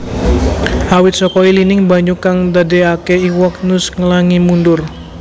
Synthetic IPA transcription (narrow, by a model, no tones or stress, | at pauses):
hawɪt̪̚sɔkɔilinɪŋbaɲukaŋdadeakeiwɔk̚nʊsŋəlaŋimundʊr